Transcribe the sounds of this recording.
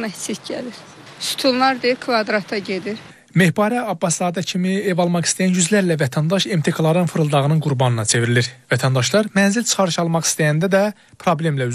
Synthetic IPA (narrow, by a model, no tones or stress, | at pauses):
mæsit̪ɟæliɾ | su̥t̪ʰullˠɑɾd̪eiɾkʰvɑd̪ɾɑt̪ʰɑɟed̪iɾ | me̞hbɑɾæɑbːɑszɑːd̪æcʰimievɑlˠmɑχi̥st̪æjænjyzlæɾlævæt̪ʰænd̪ɑʃemt̪ʰekʰɑlˠɑɾɯnfɯɾɯlˠd̪ɑʁɯnɯnɡuɾbɑnɯnɑt͡ʃʰe̞viɾiliɾvæt̪ʰænd̪ɑʃlˠɑɾmænzilt͡ʃʰɯ̥χɑɾɯʃɑlˠmɑχi̥st̪æjænd̪æd̪æ | pʰɾo̞ble̞mlæyz